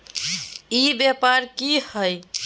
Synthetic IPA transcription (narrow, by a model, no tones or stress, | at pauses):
ibjapaɾkihəj